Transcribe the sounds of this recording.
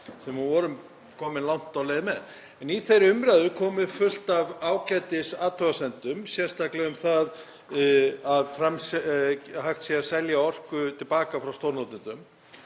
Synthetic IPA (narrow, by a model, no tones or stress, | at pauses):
sɛmːʏvɔɾʏm | kʰɔːmɪnlawn̥t̪awleːjðɪmɛð | ɛniθejɾʏmɾaðʏkʰɔːmɪfʏl̥t̪avaːwcat̪ɪsaːt̪ʰɾœɣasɛnt̪ʏmsjɛ̥st̪aklɛɣʏmθað | aðfɾams | haxt̪siasɛljaɔr̥kʏt̪ʰɪlpaːkafɾawst̪owɾnɔwt̪ɪnt̪ʏm